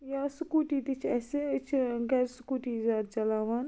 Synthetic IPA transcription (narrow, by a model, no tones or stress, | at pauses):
jaːsʊkuːʈiːd̪it͡ʃʰɛːset͡ʃʰɡɛɾsʊkuːʈizaːt̪̚t͡ʃɐlaːʋaːn